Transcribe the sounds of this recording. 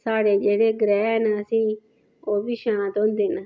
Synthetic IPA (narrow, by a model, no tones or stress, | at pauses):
saːɽeːd͡ʒeːɽeːɡɾɛːnəəsĩː | oːbiːʃañãːt̪oɦʊnd̪eːnə